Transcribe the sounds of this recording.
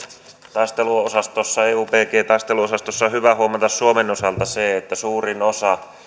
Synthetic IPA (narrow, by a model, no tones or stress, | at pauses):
t̪ɑˑist̪eluosɑst̪osːɑeːuːpeːkeːt̪ɑˑist̪eluosɑst̪osːɑhyʋæhuomɑt̪ɑssuomenosɑlt̪ɑseet̪ːæsuːrinosɑ